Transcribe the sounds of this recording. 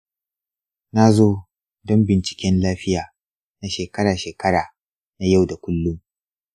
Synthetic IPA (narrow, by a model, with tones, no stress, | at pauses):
na˦zoː˦ | dɔ˦mbɪ˨nt͡ʃɪ̥˨kʲɛ˦nlaː˦ɸɪ˦jaː˨ | na˦ʃeː˨kɐ˦ɽaː˨ʃeː˨kɐ˦ɽaː˨ | na˦ja˦˨wda˨kʷʊ˦lːʊ˦m